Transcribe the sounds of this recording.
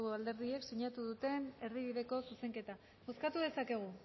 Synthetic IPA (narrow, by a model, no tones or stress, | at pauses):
ɣoald̪e̞ɾðie̞ksiɲat̪uðut̪e̞ne̞ɾðiβiðe̞ko̞suse̞ŋke̞t̪a | oskat̪uðe̞sake̞ɣ̞u